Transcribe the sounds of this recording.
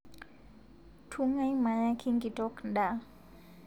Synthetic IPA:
tʰu˦ŋa˦jma˨ja˦kʰi˦ŋki˨to˦knɗa˨

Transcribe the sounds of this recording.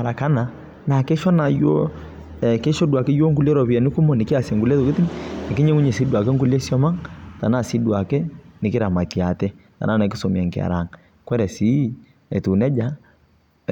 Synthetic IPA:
a˨ɾa˨ka˦na˨ | na˨kɛ˦ʃɔ˦na˨jo˦˨ | ke˦ʃɔ˦dwa˨kɛ˦jo˦ŋɡu˦lɛ˦ɾɔ˨βi˨ɛ˨ni˦ku˦mɔ˨ni˨ki˦a˨sɛ˨ŋɡu˦lɛ˦to˨ke˦ti˦ŋne˨ki˦ɲɛ˦ŋu˦ɲɛ˨si˦dwa˨kɛ˦ŋɡu˦li˦e˦sjɔ˦ma˦ŋta˨na˨si˦dwa˨kɛ˦ni˨ke˦ɾa˨ma˨ti˨a˨tɛ˦ | ta̰˨na˦na˨k̬i̥˦sɔ˨mi˨a˨ŋka̰˨ɾa˨ŋ | kwɛ˦ɾɛ˨si˦ | ɛ˨tu˨nɛ˦d͡ʒa˦

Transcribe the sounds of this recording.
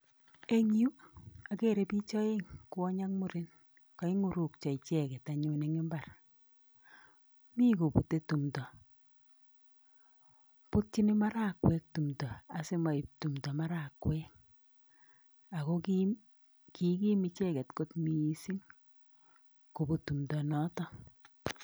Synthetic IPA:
e˦ŋu˦a˨ke˦ɾe˨˦pi˦t͡ʃɔ˦e˦ŋkʊ˦ɔ˦ɲa˦k̚mu˦ɾɪ˦n | kɔ˨˦i˦ŋu˨ɾu˨k̚t͡ʃɔ˨i˨t͡ʃɛ˦kɛ˨ta˨ɲʊ˦ne˨ŋe˦mba˨r | mi˦ku˨pu˨te˦tu˨mtɔ˨ | pu˦t̚t͡ʃi˦ni˦ma˦ɾa˦kwɛ˦k̚tu˨mdɔ˨a˨sɪ˦ma˨i˨p̚tu˨mdɔ˨ma˦ɾa˨kwɛ˦k̚ | a˨kɔ˦k | ki˨˦ki˦mi˨t͡ʃɛ˦kɛ˨tko˦tmiː˦si˦ŋ | ko˨bu˨tu˨mdɔ˨nɔ˦tɔ˦

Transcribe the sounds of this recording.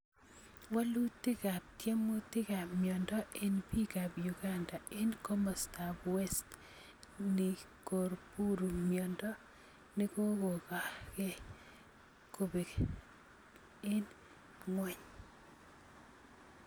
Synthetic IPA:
wa˦lu˦tːɪ˦ka˨p̚tje˦mo˦tɪ˦ka˨mjɔ˨ndɔ˦ʔe˦npi˦ka˨bjuɡanda˨e˦nkɔ˦mɔ˨stabwe˦st | nɪ˨ | ko˨ɾpu˦ɾu˨mjɔ˨ndɔ˦ | nɪ˦ko˦ko˨ka˨kɛ˦ | ko˨be˨ | e˦n | ŋwɛ˨ɲ

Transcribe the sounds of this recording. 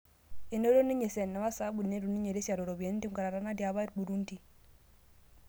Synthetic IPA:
i˨no˦ɾo˦ni˦ɲe˨sɛ˨nːa˨wa˦sa˦bu˨nːe˦ɾu˨ni˦ɲe˨ɾe˦sa˨ɾo˨ɾo˨bi˨e˨n˦ti˦ŋka˨ɾa˨ɾa˦na˦dja˨βa˦i˦ɾbu˨ɾu˦nti˨

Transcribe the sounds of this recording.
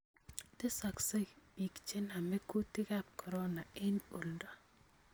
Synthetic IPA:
te˦sa˨kse˦bi˨kt͡ʃe˦na˨mɛ˦ku˦tɪ˦ka˦p̚kʰɔ˨ɾɔ˦na˨ɪ˦no˨lda˨

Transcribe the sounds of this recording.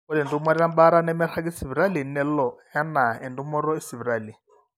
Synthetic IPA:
ʊ˦dɛ˨ndu˦mɔ˦ɾɛ˦ɾa˦m˦ba˦ɾa˦nɛ˦mɛ˦rʰa˦k̬ɪ˦si˨bi˨ɾa˦li˨n̩˦nɛ˦l̩˦lɔ˨ | a˦na˨ɛ˨ndu˦mɔ˦ɾɔ˦ɪ˦si˨bi˨ɾaː˦˨li˨

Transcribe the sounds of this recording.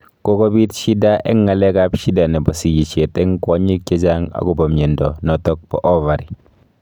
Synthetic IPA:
ko˦kɔ˦bi˦tʃi˦da˦ʔɛ̰˦ŋːa˨lɛ˦ka˦pʃi˦da˨nɛ˨bɔ˨si˨ji˨t͡ʃe˨tɛ˦ŋkɔ˨˦ɲi˦k̚t͡ʃe˦t͡ʃa˦ŋa̰˦ku˨bɔ˨mɲe˨ndɔ˨nɔ˨tɔ˦k̚pɔ̰˦ʔɔ˦va˨ɾi˨

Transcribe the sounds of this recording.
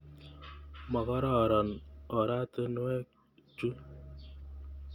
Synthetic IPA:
mɔ˨kɔ˦ɾɔ˦˨ɾɔ˨nɔ˨ɾa˦t̪e˦nu˦ɛ˦k | t͡ʃu˦

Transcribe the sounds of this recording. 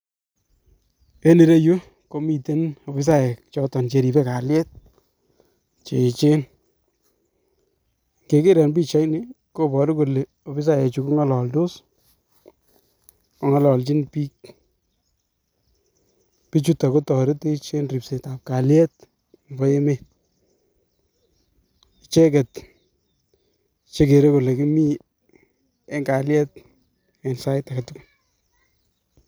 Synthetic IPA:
e˦ni˨ɾe˦ju˦ | ko˦mi˨te˦no˨fi˦s̬a˦ɛ˨kt͡ʃɔ˧tɔ˨nt͡ʃe˨ɾi˨bɛ˦ka˨ljɛ˦t̚ | t͡ʃe˨t͡ʃe˦n | ŋɡe˨ke˦ɾɛ˨nbi˦t͡ʃa˦jnɪ˦ko˦bɔ˨ɾɪ˦ko˨le˨ | o˨fi˦s̬a˦jɛ˨t͡ʃu˨ku˦ŋa˦lɔ˨ldʊ˦s | kɔ˨˦ŋa˦lɔ˨lt͡ʃi˦npi˦k | pi˦t͡ʃu˦ta˨ko˦tɔ˨ɾɪ˦te˦t͡ʃe˦nri˨pse˨ta˨p̚ka˨ljɛ˦t̚ | mbɔ˦e˦me˨t | t͡ʃɛ˦kɛ˨t | t͡ʃe˦ke˨ɾe˦ko˨le˨kɪ˦mi˦ | e˦ŋɡa˨ljɛ˦t̚ | ɛ˨nsa˦jta˨ka˨tu˦kun

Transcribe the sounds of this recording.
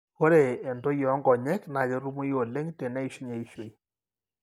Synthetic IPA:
ko˦ɾe˨e˨ndo˦jɔ˨˦ŋɡɔ˨ɲɛ˦kna˨ke˦ɾu˦mu˦jo˨le˦ŋte˨nɛ˦i˨ʃi˦ɲe˨i˦ʃe˨i˦

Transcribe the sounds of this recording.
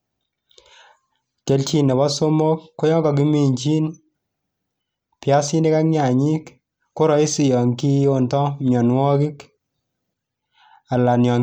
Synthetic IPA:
ke˨˦lt͡ʃi˦nɛ˨bɔ˦so˦mo˦kːo˦jɔ˦ŋɡɔ˨k̬i˦mi˨ɲt͡ʃi˦n | pja˦si˦ni˦ka˦kɲa˨ɲi˦k | ko˦ɾɔ˦i˦si˨jɔ˨ŋki˦jo˦ntɔ˦mjɔ˨nwɔ˦ki˦k | a˨la˨njɔ˨

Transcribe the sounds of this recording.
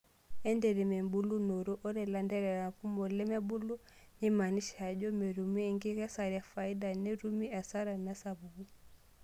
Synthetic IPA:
ɛ˦ndɛ˨ɾɛ˨mɛ˨mbu˦lu˦no˨ɾu˦ʔɔ˦ɾɛ˨la˨ndɛ˦ɾɛ˨ɾa˨ku˦mɔ˨lɛ˦mɛ˦bu˦lu˦ | ni˦ma˨ni˦ʃa˨d͡ʒɔ˦me˨ɾu˨mi˦ɛ˨ŋɡi˦ɣa˦sa˨ɾi˨a˨fa˨i˦da˨nɛ˦ɾu˦mi˦a˨sa˦ɾa˨na˦sa˨βu˨bu˦

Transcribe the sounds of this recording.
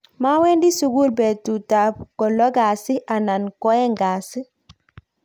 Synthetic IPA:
ma˦wɛ˦ndi˦su˨ɡu˦ɾbe˨tu˨ta˨b̚kɔ˨lɔ˦ɡa˨si˦ʔa˨na˨nko˦e˦ŋɡa˨si˦

